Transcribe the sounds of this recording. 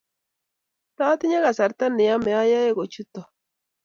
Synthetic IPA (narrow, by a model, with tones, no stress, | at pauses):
t̪a˦t̪i˦ɲa˦ɣa˨sa˨ɾt̪a˦ni˨a˦me˨a˦ja˦e˦ɡo˨t͡ʃu˦t̪o˨